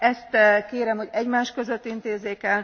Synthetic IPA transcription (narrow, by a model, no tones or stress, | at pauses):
ɛst̪keːɾɛmho̞ɟɛɟmaːʃkø̞zø̞t̪ːint̪eːzeːkɛl